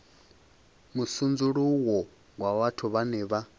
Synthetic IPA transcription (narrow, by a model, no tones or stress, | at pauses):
musund͡zuɺuwɔ | ɡwaβatʰuβanɛːβa